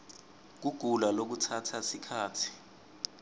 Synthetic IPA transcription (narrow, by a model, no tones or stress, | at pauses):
k̬uɡ̥ʱulalok̬utʰatʰasikʰaːtʰi̥